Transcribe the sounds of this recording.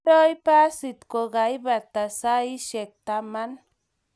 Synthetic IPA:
ɾo˦jpa˦si˨t̪ko˨ɡa˨jba˨t̪ːa˨sa˦i˦ʃe˨k̚t̪ama˦n

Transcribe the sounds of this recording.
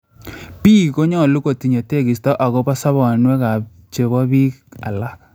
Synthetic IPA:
pi˦ko˦ɲɔ˦˨lu˦ko˨ti˨ɲo˨te˦˨ki˨stɔ˦ʔa˨ɣɔ˦pa˦sa˦βɔ˨nwɛ˦ka˨ | t͡ʃe˨βɔ˦bi˦a˨la˦k

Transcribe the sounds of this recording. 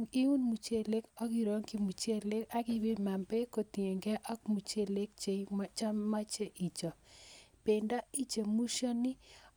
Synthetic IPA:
ŋi˦u˦nmu˨t͡ʃe˦le˦kɔ˦ki˨ɾɔ˦ŋki˦mu˨t͡ʃe˦le˦ka˦ɡɪ˦be˦ma˨mbe˦ko˨t̪i˨e˨ŋɡɛ˦ʔɔ˦k̚mu˨t͡ʃe˦le˦k̚t͡ʃe˨mt͡ʃa˦ma˦t͡ʃe˦ʔi˨t͡ʃɔ˨pe˨nda˦i˦d͡ʒe˨mu˦ʃɔ˦nɪ˦

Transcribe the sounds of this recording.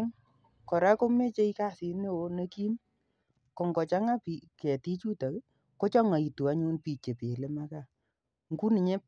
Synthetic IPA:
ŋ | kɔ˨ɾa˦ko˦me˦t͡ʃe˦i˦ka˦si˨ne˦wo˦nə˦ki˦n | kɔ˨ŋɡɔ˨t͡ʃa˦ŋa˦pi˨kɛ˨ti˦t͡ʃu˦ta˨k | ko˦t͡ʃɔ˦ŋa˨i˨tu˨a˦ɲu˦npi˦˨t͡ʃe˨pe˨le˦ma˦ka˦˨ | ŋku˦ni˨ɲe˦

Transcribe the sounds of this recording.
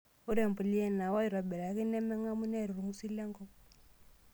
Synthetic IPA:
o˦ɾɛ˨m˨pu˨li˦ɛ˦na˨wa˦i˨ɾa˨bɛ˨ɾa˨˦ki˦nɛ˦mɛ˦ŋa˦mu˦nɛ˦˨ɾu˨ɾu˨ŋu˦si˦lɛ˦ŋɡɔ˦

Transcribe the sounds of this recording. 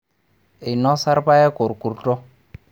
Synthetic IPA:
e˨nɔ˦sa˦ɾpa˦jɛ˦ku˨ɾku˨ɾtʼɔ˦

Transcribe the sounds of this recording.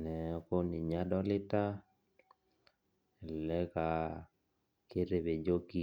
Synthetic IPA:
nɛ˨ɔ˦ko˦ni˨ɲa˦dɔ˦lɪ˦ta˦ | ɛ˨lɛ˦ka˨ | ke˦ɾe˨βe˨d͡ʒo˦ki˦

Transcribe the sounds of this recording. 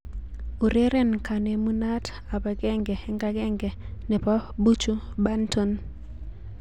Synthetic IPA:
u˨ɾe˦ɾɛ˦˨nka˨ne˨mu˦na˦t | a˨ba˨ɡɛ˦ŋɡɛ˨ɛ˦ŋɡa˨˦ɡɛ˦ŋɡɛ˨nɛ˨pa˦bu˦t͡ʃu˦ba˦nto˦n

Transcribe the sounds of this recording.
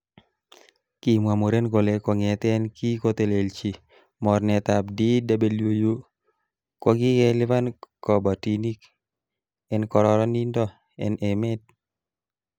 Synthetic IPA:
ki˨mwa˨mo˨ɾe˦nɡo˨le˨kɔ˨ŋɛ˨t̪ɛ˦nki˦ko˦t̪e˨le˨lt͡ʃi˨ | mɔ˨rnɛ˨t̪a˨bdi˦da˦be˨ljo˦jo˦ | kɔ˦ɡɪ˦kɛ˦lɪ˦va˦nkɔ˨ba˨ti˨ni˦k | ɛ˦nkɔ˨ɾɔ˦ɾɔ˦ni˦ndɔ˦ | ɛ̰˨nʔɛ˨mɛ˦d̚

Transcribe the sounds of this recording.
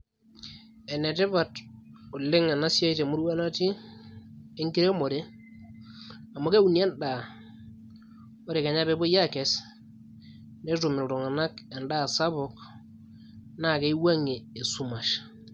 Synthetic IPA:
e˨ne˨te˦βa˨tʊ˨lɪ˦ŋa˨na˦sja˦i˦te˨mu˦ɾwa˦na˦ti˦ | e˦ŋki˦ɾe˦mo˨ɾe˦ | a˨mo˦ke˦u˨nja˦nda˨ | o˦ɾe˨ke˨ɲa˦βe˦bo˦ja˦ke˨s | ne˦tu˨mɪ˨lɾo˨ŋa˨na˦kɛ˨nda˦˨sa˦βɔ˨k | na˦˨ke˦i˦wa˦ŋi˨e˨su˦ma˨ʃ

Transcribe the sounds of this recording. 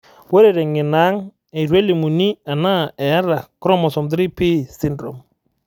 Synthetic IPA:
wɔ˦ɾe˦˨ɾɛ˨ŋɪ˨na˦ŋ | ɛ˨ɾwe˦li˨mu˨ni˦a˨na˦ɛ˨a˦ɾa˨kɾɔ˦mɔ˨sɔ˨md̪ɾi˦pi˦si˦ndɾɔ̰˨m

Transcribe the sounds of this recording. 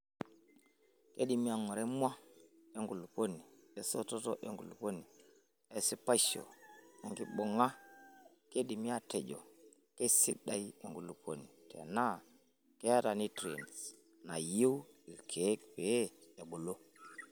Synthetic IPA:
ke˦di˨mi˦a˨ŋo˨ɾe˦mwa˦e˨ŋɡu˨lu˨po˦ni˨e˨so˦to˦to̰˦ʔḛ˨ŋɡu˨lu˨po˦ni˨ | e˨si˦pa˦ʃo̰˨e˨ŋɡi˦ɓo˨ŋa˦ | ke˦di˨mi˦a˦te˨d͡ʒo̰˨ | ke˦si˦ɗa˨ji˦e˨ŋɡu˨lu˨po̰˦ni˨tʰḛ˨na˦ | ke˦a˦ta˨ni˦tɾḛ˨ns | na˨je˦wi˨lkʰe˨˦k̚pe˨˦e˨ɓo˨lo˦

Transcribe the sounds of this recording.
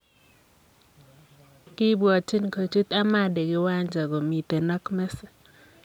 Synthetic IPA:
kɪ˦bwa˨t͡ʃi˦nko˨t͡ʃu˦t̪a˦ma˦˨dɛ˨ɡɪ˦wa˦ɲd͡ʒa˨ɡo˨mi˨t̪e˨na˦kmɛ˦sɛ̥˨

